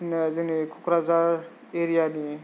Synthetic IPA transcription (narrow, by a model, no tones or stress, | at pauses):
nd͡zenikʰukɾad͡zaɾ | eɾijani